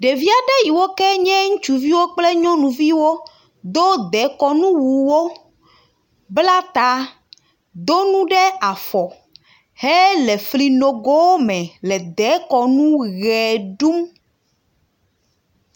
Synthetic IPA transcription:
ɖe˨vi˦a˨ɖɛ˦ji˨wo˦kɛ˦ɲɛ̃˦ŋũ˦t͡ʃu˨vi˦wo˦k͡plɛ˦ɲɔ̃˦nũ˨vi˦wo˦ | d̪o˦d̪ɛ˨˦kɔ˦nũ˦wu˨wo˦ | bla˦t̪a˦ | d̪o˦nũ˦ɖɛ˦a˨fɔ˨ | he˦lɛ˨fli˨no˨ɡo˦wo˦mɛ̃˨lɛ˨d̪ɛ˨˦kɔ˨nũ˦ɣɛ˨ɖu˦m

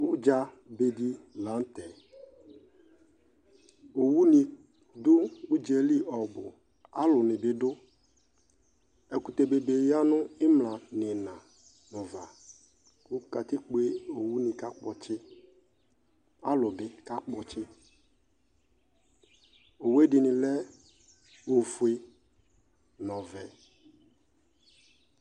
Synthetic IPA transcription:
ʊ˦d͡ʒa˦ | be˨di˦la˨˦n̩˦t̪ɛ˨ | o˨wu˦nĩ˨ | dʊ˦u˦d͡ʒe˨li˦ʔɔ˨bʊ˨ | a˦lʊ˨nɪ˨bɪ˨dʊ˦ | e˨ku˨t̪e˨be˨be˨ja˦nʊ˦ɪ˦mlã˨nɪ˨nã˨ | nɔ˨va˨ | kʊ˦ka˨t̪ɪ˦k͡pe˦o˨wu˦nɪ̃˨ka˦k͡pɔ˨t͡ʃɪ˦ | a˦lʊ˨bɪ˦ka˦k͡pɔ˨t͡ʃɪ˦ | o˨we˦dɪ˨nɪ̃˨lɛ˦ | o˨fu˨e˨ | nɔ̃˨vɛ˨

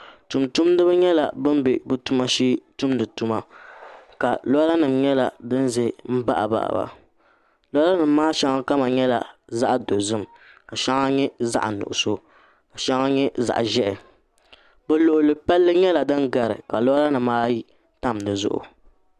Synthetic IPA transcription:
tu˨mtu˦mdɨ˦bɨ˦ɲɛ˦la˨bɨ˦m˦be˨bɨ˦tu˦ma˦ʃiː˦tu˦m˦dɨ˨tu˦ma˨ | ka˨lɔ˦la˦nɨ˨mɲɛ˦la˨dɨ˦n˦zɛ˦m̩˦ba̰˦ʔa̰˨ba̰˨ʔa̰˨ba̰˨ | lɔ˦a˦la˦nɨː˨˦aː˦ʃa˦ŋa˦ka˦ma˨ɲɛ˦la̰˨za˦ʔdo˨zɨ˦m˨ | ka˨ʃa˦ŋa˦ɲɛ˦za̰˦ʔnʊ̰˨ʔʊ˨so˦ | ka˨ʃa˦ŋa˦ɲɛ˦za̰˨ʔʒɛ˦ʔɛ˨ | bɛ˦lʊ˨ʔʊ˨lɨ˨pɛ˦lːɨ˦ɲɛ˦la˨dɨ˦n˦ɡa˨ɾɨ̰˨ka˨lɔ˦la˦nɨ˨mːaː˦ji˦ | ta˦m˨dɨ˨zʊ̰˦ʔʊ̰˨

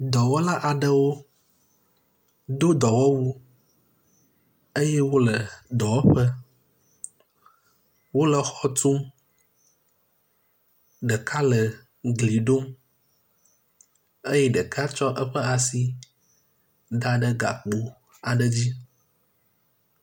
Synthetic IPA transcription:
d̪ɔ˨wɔ˦la˦ʔa˨ɖə˦wo˦ | d̪o˦d̪ɔ˨wɔ˦wu˦ | ə˦jɛ˦wo˦lə˨d̪ɔ˨wɔ˦ɸə˦ | wo˦lə˨xɔ˨t̪u˦m | ɖə˨kʰa˦lə˨ | ɡli˨ɖo˦m | ə˦jɛ˦ɖə˨ka˦t͡ʃɔ˦ʔə˦ɸə˦a˨si˨ | d̪a˦ɖə˦ɡa̰˨k͡pu˦ | a˨ɖə˨d͡ʑi˦

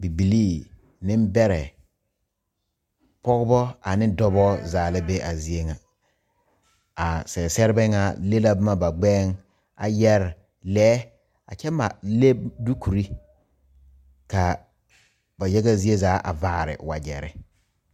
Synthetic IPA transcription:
bi˨bi˨liː˦˨ | nɪ˦m˦bɛ˦ɾɛ˨ | pɔ˦ɡbɔ˦a˨nɪ˦dɔ˦bɔ˦zaː˨lɪ˦be˦ʔa˨zi˦e˦ŋa˨ | a˨sɛ˨sɛ˦ɾɪ˦bɛ˦ŋa˨le˦la˦bma˨ba˨ɡ͡bɛː˦ŋ | a̰˨jɛ˦ɾ | lɛː˦ | a̰˨t͡ʃɛ˦ma̰˨le˦bdu˦kʰu˨ɾi˦ | ka˨ | ba˨jɛ˦ɡa˦zi˦e˦zaː˨˦ʔa̰˨vaː˦˨ɾɪ̰˨wa˨d͡ʒɛ˨ɾɪ̰˨

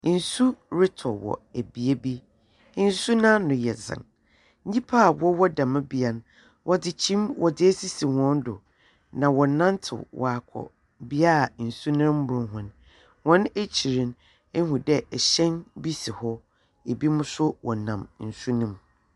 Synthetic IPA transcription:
n̩˨su˦ɾɪ˦tʰɔ˨wɔ̰˨æ˨bi˨e˦bi˦ | n̩˦su˦nã˦nʊ̃˨jɛ˨zɪ̰̃˨n | ɲ̩˦ĩ˦pʰa˦˨wɔ˦wɔ˦dã˨mã˦bi˦a˨ñ˨ | wʔɔ˦dɪ˨t͡ɕʰĩ˦mwɔ˨dɪ˦æ˦si˦si˨hɔ̃˦n˦dʊ̰˨ | nã˨wɔ˨nã˦n˦tʰɪ̰˨wɔ̰˨a˨kʷʰɔ̰˨ | bi˦a˦˨n̩˨su˦nã˦m̩˦bʊ˨ʊ̃˨ɦʊ̃˨n | wɔ̃˦ne˦t͡ɕʰi˨ɾĩ˨n | ɛ˦ɦũ˨dɛ˦ʔɛ˨ɕɛ̃˦nbi˦si˨hɔ˦ | e˨bi˦mʊ̃˦sʊ˦wɔ˨nã˨mn̩˨su˦nĩ˦m

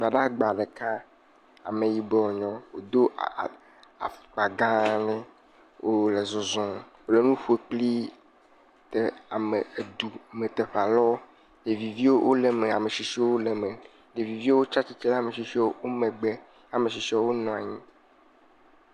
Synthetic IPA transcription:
ɡ͡ba˨ɖa˦ɡ͡ba˨ɖe˨ka˦ | a̰˨me˨ji˨bɔ˦ɔ˨ɲɔ̃˦wo˨d̪o˦˨ | a̰˨k͡pa˨ɡã˦nɛ̃˦ | wʔo˦le˨zɔ˨zɔ̃˨wo˨le˨˦nũ˦ɸu˦e˨k͡pli˦ | t̪e˨a˨me˨e˨d̪u˨me˨t̪e˨ɸla˨lɔ˦ | ɖe˨vi˨vi˦wo˦wʔo˦le˨me˨a̰˨me˨ʃi˨ʃi˦o˦wo˦le˨me˨ | ɖe˨vi˨vi˦o˦wo˦t͡ʃa˦t͡ɕi˦t̪i˦la˦˨me˨ʃi˨ʃi˦wo˦wo˦mẽ˨ɡ͡be˦ | a˨me˨ʃi˨ʃi˦o˦wo˦nɔ̃˨a̰˨ɲĩ˦

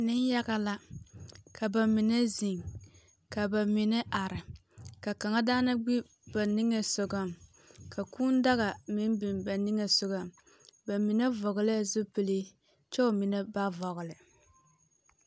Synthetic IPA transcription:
nɪ˦n˦ja˦ɣa˦la˦ | kʰa˨ba˨mi˨ne˦zi˨ŋ | ka˨ba˨mi˨nɛ˦ʔa˨ɾɪ˨ka˨ka˨ŋa˦daː˦na˦ɡ͡bi˦ | ba˨ni˦ŋe˨sʊ˨ɡa˨m | kʰa˨kuː˦n˦da˦ɣa˨mɪ˦m˦bi˨mba˨ni˦ŋe˨sʊ˨ɡa˨m | ba˨mi˨nɛ˦vɔ˨ɣɪ˨lɪ˦a˨zʊ˦pɨ˨li˦ | t͡ʃɛ˦˨mi˨nɛ˦ba˦vɔ˨ɣʊ˨lɨ˨

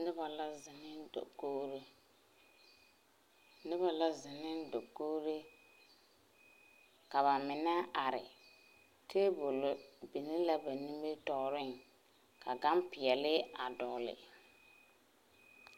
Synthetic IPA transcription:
nɪ˦ba˨la˦zɪ˨nɪ˦ndo̰˨ko˦ɾe˦ | nɪ˦βa˨la˦zɪ˨nɪ˦ndo˨koː˦ɾe˦ | ka˨βa˨mɪ˨na˦a˨ɾɪ̰˨ | tʰe˦bo˨lo˨˦bi˨nɪ˦la˦ba˨ni˦me˦tɔ˨ɾɪ˦ŋ | ka˨ɡa˦mpɪ˨ɛ˨lɪ˦a˨dɔ˨lɪ̰˨

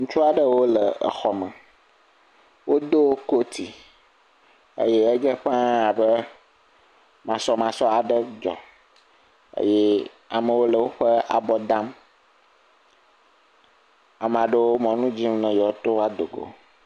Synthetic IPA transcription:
ŋũ˦t͡ʃu˦a˨ɖə˦wo˦lə˨ə̰˨xɔ˨mə̃˨ | wo˦d̪o˦ko˦t̪ʰi˨ | ə̰˦je˦e˦d͡ʒə˦ɸã˦a˨bə˦ | mã˨sɔ˦mã˨sɔ˦a˨ɖə˦d͡ʒɔ̰˨ | ə̰˦jɛ˦ | a̰˨mə̃˨wo˦lə˨wo˦ɸə˦a̰˨bɔ˨d̪ã˦m | a˨m˨ã˨ɖə˦wo˦mɔ̃˨nũ˦d͡ʑi˦m˦nə̃˨jɔ˨˦t̪o˦a˦d̪o˨ɡo̰˨

